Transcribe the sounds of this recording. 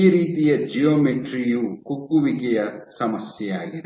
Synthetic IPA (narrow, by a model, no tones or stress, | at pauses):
iɾiːt̪ijɐd͡ʒijomeʈɾijukukːuʋikejɐsɐmɐsjɐaːɡi